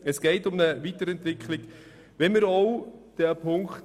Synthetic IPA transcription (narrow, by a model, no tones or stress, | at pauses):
əsɡ̥ɛɪtʊmnəvitəɾɛntʋɪkχlɪk | ʋɛnmiɾɔʊd̥ɛpʰʊŋkχt